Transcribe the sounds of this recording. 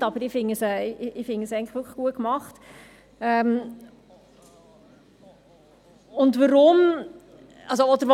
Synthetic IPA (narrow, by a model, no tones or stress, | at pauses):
tɑbəɾɪfɪŋəsɛɪɪfɪŋəsɛɪɡŋ̩ləʋʏkʰəχɡ̥uətkmɑχt | ɛm | ʊndʋəɾʊm | ʔɑlsoɔd̥̪əɾʋ